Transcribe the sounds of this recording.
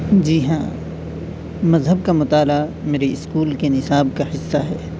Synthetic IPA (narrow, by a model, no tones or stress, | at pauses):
d͡ʒiːɦã̰ː | mɐzɦəb̚kamʊt̪aːlameːɾeɪskuːlkenɪsaːb̚kahɪsːaɦɛ̰ː